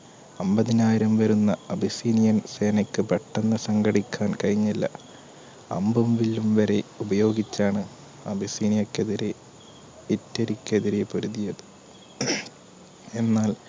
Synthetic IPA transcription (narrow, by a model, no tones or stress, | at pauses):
ɐmbɐðinaːjiɾɐmʋɐɾunːɐɐbʱisiːnijɐnse̞ːnɐkːɨpɐʈːɐnːɐsɐŋɡɐɽikʲːaːnkɐɻiɲːilːɐ̰ | ɐ̰mbɐmʋilumʋɐɾeubɐjo̞ːɡit͡ɕːaːɳɨ | ɐbʱisiːnijɐkːeðiɾe | itːeɾikʲːeðiɾe̞poɾuðijɐðɨ | e̞nːaːl